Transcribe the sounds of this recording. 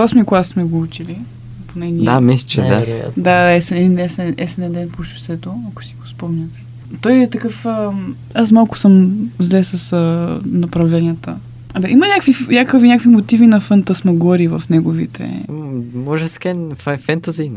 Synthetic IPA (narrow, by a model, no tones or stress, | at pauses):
ɔsmiklˠassmɛɡout͡ʃili | ponɛnʲid̪amislit͡ʃɛd̪a̰d̪aɛsɛɛinɛsɛɛsɛnɛd̪ɛnpoʃu̥sɛt̪oɐkʊ̥si̥ɡospɔmnʲɐt̪ɛ̥ | t̪ɔjɛt̪ɐkɤfə | as̬malˠkʊ̥səmzlɛsəsənɐpɾɐvlɛnʲijət̪ə̰ | ɐd̪aʔimɐnʲakvinʲakəvinʲakvimot̪ivinɐfɐnt̪əsmɐɡɔɾivəfnɛɡovḭt̪ɛ̰ | mɔʒɛskɛnffɛnt̪ɐzi